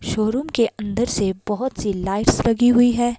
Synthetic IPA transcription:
ʃoːɾumkeʔɐ̃nd̪əɾsebɔɦʊt̪silaːɪʈslɐɡiɦʊiɦɛː

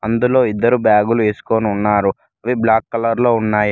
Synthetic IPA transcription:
ɐnd̪ulo̞ːid̪ːɐɾubaːɡulue̞ːsu̥ko̞ːniunːaːɾu | ɐʋiblaːkːɐlɐɾlo̞ːunːaːji

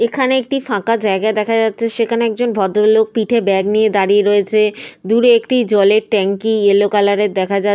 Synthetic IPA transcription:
ekʰaneek̚ʈifãkad͡ʑaeɡaed̪ɛkʰad͡ʑatːɕʰeʃekʰaneɛk̚d͡ʑonbʱɔd̪ɾolok̚piʈʰebɛɡnijed̪aɾieɾoet͡ɕʰed̪uɾekʈid͡ʑɔleɾʈɛŋkielokalaɾeɾd̪ɛkʰad͡ʑa

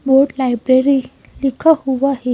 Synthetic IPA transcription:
boɾʈlajbɾeɾi | likʰahuʋaɦe

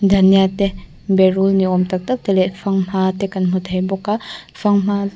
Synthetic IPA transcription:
d̪ʱɐnijat̪ɛ | bɛɾulniɔmt̪ɐk̚t̪ɐk̚t̪ɛlɛfaŋm̥at̪ɛkɐnm̥ut̪ʰɐjbɔkafaŋm̥a

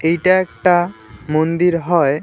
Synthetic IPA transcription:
ejʈaɛk̚ʈamond̪iɾɦɔj

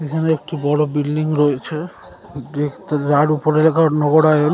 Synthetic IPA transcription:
ekʰaneek̚ʈibɔɽobilɖiŋɾojet͡ɕʰe | et̪d͡ʑaɾupoɾelakanɔɡoɽae

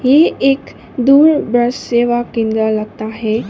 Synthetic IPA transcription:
jeeːk | d̪uːɾbɾəsseːʋakɪ̃nd̪ɾəlɐɡ̚t̪aɦɛ

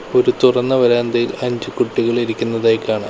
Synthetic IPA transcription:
o̞ɾut̪urɐnːɐʋɐɾaːnd̪ɐjilɐɲd͡ʑɨkuʈːiɣɐɭiɾikʲːunːɐðajkːaːɳɨ

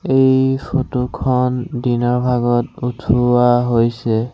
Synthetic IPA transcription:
ejpʰotukʰɔndinɔɹbʱaɡɔtutʰuaɦojsɛ

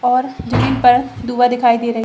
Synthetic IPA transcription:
ɔːɾd͡ʒɐmĩːnpɐɾd̪uːʋad̪ɪkʰaːid̪eːɾɐɦi

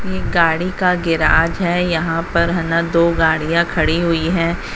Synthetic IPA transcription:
jeːɡaːɽikaɡɪɾaːd͡ʒɦɛːjɐɦãpɐɾɦɐnad̪oːɡaːɽijãkʰɐɽiɦʊiɦɛ̃ː

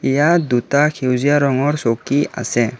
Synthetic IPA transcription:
ijad̪utakʰewzijaɾɔŋɔɹsokia̰sɛ

